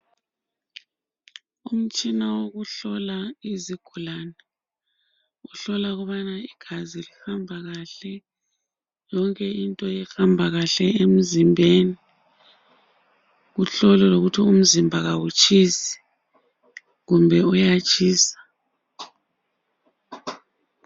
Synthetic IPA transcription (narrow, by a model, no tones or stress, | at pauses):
um̩t͡ʃʼinawoɣuɬɔlaiziɡ̥ʱulanɛ | uɬɔlaɣuβanaiɡ̥ʱazilihambʱaɣaɬɛ | jɔŋkʼɛintʼɔjɛhambʱaɣaɬɛem̩zimbʱeːni | ɣuɬɔlɛloɣutʰium̩zimbʱaɣawut͡ʃʰʼisi̥ | ɣumbʱɛujat͡ʃʼʰiːsḁ